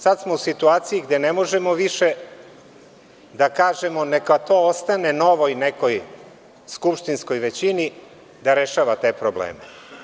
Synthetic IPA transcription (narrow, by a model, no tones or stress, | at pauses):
sad̪smousit̪uaːt̪sijiɡd̪e̞nemo̞ʒemo̞ʋiʃe | d̪akaːʒe̞mo̞nekat̪o̞ːost̪ane̞no̞ʋo̞jneko̞j | skupʃt̪insko̞jʋe̞t͡ɕini | d̪aɾeʃaːʋat̪e̞ːpɾoblḛːme